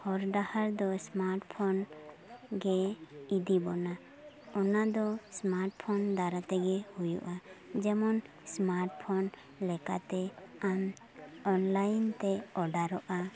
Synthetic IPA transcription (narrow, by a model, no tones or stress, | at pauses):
hɔɾɖahaɾd̪ɔsmaɾʈpʰɔn | ɡɛid̪ibɔna | ɔnad̪ɔsmaɾʈpʰɔnd̪aɾat̪ɛɡɛhujṵʔad͡ʒɛmɔn | smaɾʈpʰɔn | lɛkat̪ɛam | ɔnlajnt̪ɛɔɖaɾɔʔa